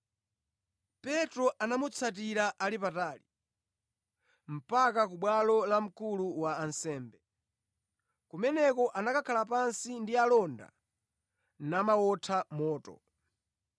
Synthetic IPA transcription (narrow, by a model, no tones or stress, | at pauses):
pɛtɾɔʔanamut͡sʰat̬iɾaʔalipataːli | m̩pakak̬uɓwalɔlam̩kuluwaːnsɛːmbɛ | kumɛnɛkɔʔanakakʰalap̬ansindialɔnda̰ | namawɔtʰamɔːtɔ̰